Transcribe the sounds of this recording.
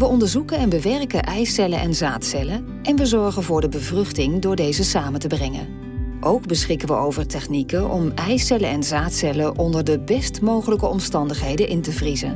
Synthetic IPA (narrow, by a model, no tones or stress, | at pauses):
ʋəɔndəɹzukənɛnbəʋɛrkəʔɛjsɛlənʔɛ̰nzaːtsɛlə | ʔɛnʋəzɔɹχənvʊːɹdəbəvrɵχtɪŋdʊːɹdejzəsaːməntəbrɛŋə̰n | ʔowɡbəsχɪkənʋəowvəɹtɛχnikəʔɔ̰mɛjsɛləɛnzaːtsɛləʔɔndəɹdəbɛstmowχələkəɔmstɑndəχɦejdənʔɪntəvrizə̰n